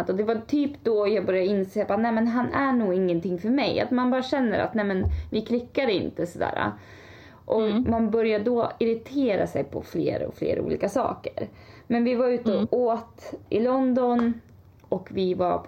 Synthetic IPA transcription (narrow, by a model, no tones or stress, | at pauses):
t̪ɔd̪ɛvat̪ʰyːpd̪ɔjɑːɡbœɾjad̪əɪnseːbaːt̪nɛjmɛnɦanʔæɳuːɪŋːənt̪ʰɪŋːfœɾmɛja̰t̪manbɑːɾaɕɛnːəɾa̰t̪nɛmɛnvɪkʰlɪkːad̪ɪ̰nt̪əsɔd̪æ̰ːɾa̰ | ʔɔkmanbœɾjad̪ɔɪɾɪt̪ʰeːɾa̰sɛjpʰɔ̰flḛːɾɔ̰flḛːɾṵːliːkasɑ̰ːkəɾ | mɛnvɪvaɾʉ̟ːt̪əoːt̪ɪ̰lɔnd̪ɔn | ɔkvɪvaɾp